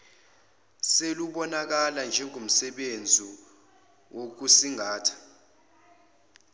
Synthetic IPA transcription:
seluɓɔnak̬aland͡ʒʱɛŋum̩sɛɓend͡zʱi | wok̬usiŋaːtʰḁ

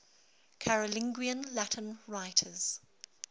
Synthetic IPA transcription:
kʰaɹəlɪ̃ŋɡwiə̃nlatʰə̃nɹaɪtʰəz̥

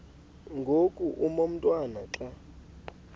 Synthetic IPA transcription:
ŋɡʱokʼuʔumom̩tʼwanaǁa

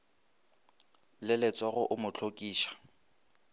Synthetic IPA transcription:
lɪlɪt͡sʼaɣʊʔʊmʊt͡ɬʰokʼiːʃḁ

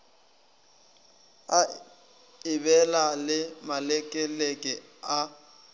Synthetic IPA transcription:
a | ɪbɛlalɪmalɛkʼɛlekʼɛa

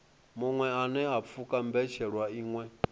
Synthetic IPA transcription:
muŋwɛanɛap̪fʰukʼam̩bɛʃɛɺwaiːŋwɛ

